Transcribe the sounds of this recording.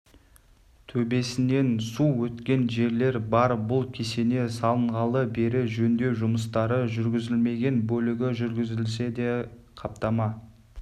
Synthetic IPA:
t̪ʰɵbe̞sɪne̞nsuwɵt̪kʲe̞nʒe̞ɾle̞ɾbɑɾbʊlˠkʲʰe̞se̞ne̞sɑlˠəɴʁɑlˠəbe̞ɾɪʒɵnd̪e̞ʒʊməst̪ɑɾəʒʏɾɡʲɪzɪlme̞ɡʲe̞nbɵlɪɡʲɪʒʏɾɡʲɪzɪlse̞d̪e̞ | qʰɑp̚t̪ɑmɑ

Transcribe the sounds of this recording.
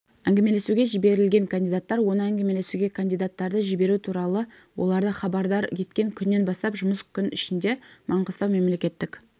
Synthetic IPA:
æŋɡʲeme̞le̞suɡʲe̞ʒibe̞ɾɪlɡʲe̞ŋkʰand̪ijd̪at̪ːɑɾwo̞nəæŋɡʲeme̞le̞suɡʲe̞kʰand̪ijd̪at̪ːɑɾd̪əʒibe̞ɾut̪ʰuɾɑlˠə | wo̞̰lˠɑɾd̪əχɑbɑɾd̪ɑɾjʲʰe̞t̪kʲe̞ŋkʲʰʏnːe̞nbɑst̪ɑpʒʊməskʲʰʏnɪ̰ʃɪnd̪e̞mʔɑɴqəst̪ɑwme̞mle̞kʲe̞t̪ːɪkʲ

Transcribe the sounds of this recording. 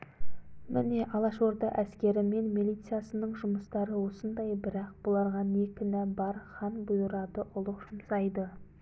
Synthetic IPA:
mʔɪne̞ʔɑlˠɑʃoɾd̪ɑʔæskʲe̞ɾɪme̞nmilʲˠijt̪sɨjasənəɴʒʊməst̪ɑɾəwo̞sənd̪ɑjbɪɾɑq̚bolˠɑɾʁɑnekʲɪnæbɑɾχɑnbʊjəɾɑd̪əʔʊlˠəqʒ̥ʊmsɑjd̪ə

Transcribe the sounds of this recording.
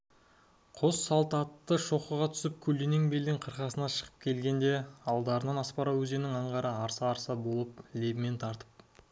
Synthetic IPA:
qʰo̞sːɑlˠt̪ɑt̪ːəʃo̞χəʁɑt̪ʰʏ̥sɪp̚kʲʰɵlːeneŋbe̞ld̪ɪŋqʰəɾqɑsənɑʃə̥ʁəp̚kʲʰe̞lɡʲe̞nd̪e̞ɑlˠd̪ɑɾənɑnɑspɑɾɑwɵze̞nɪŋɑɴʁɑɾəɑɾsɑːɾsɑbo̞lˠəp̚le̞bɪme̞nt̪ʰɑɾt̪ə̥p̚

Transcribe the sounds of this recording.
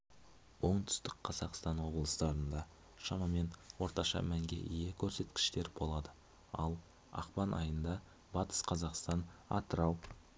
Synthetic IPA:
wo̞ɴt̪ʰʏ̥st̪ɪkqʰɑzɑqst̪ɑnwo̞blˠəst̪ɑɾənd̪ɑ | ʃɑmɑme̞nwo̞ɾt̪ɑʃɑ̰mæŋɡʲe̞̰ʔijekʲʰɵɾse̞t̪kʲɪ̥ʃt̪e̞ɾbo̞lˠɑd̪ə | ɑ̰lˠ | ɑ̰qpɑnʔɑ̰jənd̪ɑ | bɑt̪ə̥sqʰɑzɑqst̪ɑnɑ̰t̪əɾɑw

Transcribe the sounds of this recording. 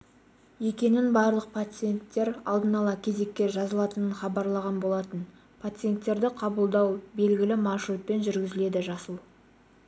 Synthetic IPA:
je̞kʲe̞nɪnbɑɾlˠəq̚pʰat̪sɨje̞nt̪ːe̞ɾɑlˠd̪ənɑlˠɑkʲʰe̞ze̞kʲːe̞ʒɑzəlˠɑt̪ənənχɑbɑɾlˠɑʁɑnbo̞lˠɑt̪ən | pʰat̪sɨje̞nt̪ːe̞ɾd̪ɪqʰɑbəlˠd̪ɑwbe̞lɡʲɪlɪmɑrʃɾut̪̚pe̞nʒʏɾɡʲɪzɪle̞d̪ɪʒɑsəlˠ

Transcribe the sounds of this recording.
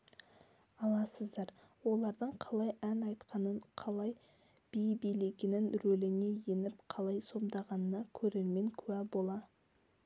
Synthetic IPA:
ɑlˠɑsəzd̪ɑɾ | wo̞lˠɑɾd̪əɴqʰɑlˠɑjænɑjt̪qɑnəɴqʰɑlˠɑj | b̥ijbijlekʲɪnɪnɾɵlɪne̞je̞nɪpqʰɑlˠɑjso̞md̪ɑʁɑnənɑkʲʰɵɾe̞ɾme̞ŋkʲʰɵæbo̞lˠɑ

